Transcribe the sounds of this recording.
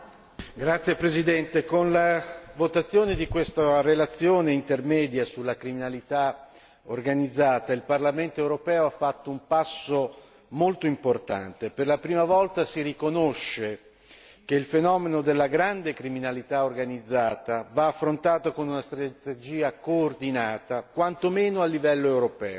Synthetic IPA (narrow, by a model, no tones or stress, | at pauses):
ɡɾat̪sːjepɾezid̪ɛnt̪ekonlavot̪at̪sːjoːned̪ikwest̪arelat̪sːjoːneint̪ermɛːd̪jasulːakɾiminalit̪a | orɡanid̪zːaːt̪ailparlament̪oewɾopɛːoafːat̪ːoumpasːo | molt̪oimport̪a̰nt̪eperlapɾiːmavɔlt̪asirikonoʃːe | keilfenɔːmenod̪elːaɡɾand̪ekɾiminalit̪aorɡanid̪zːaːt̪avaːfːɾont̪aːt̪okonunast̪ɾat̪ed͡ʒiːakoːrd̪inaːt̪akwant̪omeːnoalːivɛlːoewɾopɛːo